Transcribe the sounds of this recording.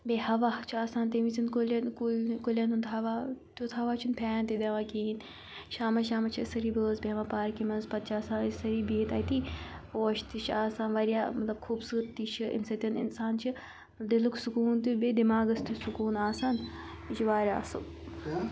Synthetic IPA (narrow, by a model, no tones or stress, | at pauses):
behɐʋat͡ʃʰaːsaːnt̪emit͡sʰinkulʲɐnkukulʲɐnunt̪ɦɐʋat̪ut̪ʰɐʋaːt͡ʃʰinpʰʲaːnt̪id̪eʋakiːn | ʃaːmɐʃaːmɐt͡ʃʰisɐɾiːbəːzbemapaːɾkimɐnzpɐt̪̚t͡ʃaːsaːsɐɾiːbiːt̪ɐːit̪ioːʃt̪it͡ʃʰaːsaːnʋɐɾijaːmɐt̪lɐb̚kʰuːbsɨːɾt̪ːit͡ʃʰɨʔḭnsɐt̪ʲɐnɪ̰nsaːnt͡ʃʰi | d̪iluksukuːnt̪ubed̪imaːɡɐst̪isukuːnaːsaːn | t͡ʃiʋaːɾʲa̰ːsɨk